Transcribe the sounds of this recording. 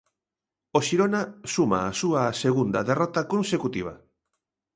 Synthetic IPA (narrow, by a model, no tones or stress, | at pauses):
oʃiɾonasuma̰ːsuɐːseɣund̪ɐðerɔt̪ɐkonsekut̪iβ̞ɐ̰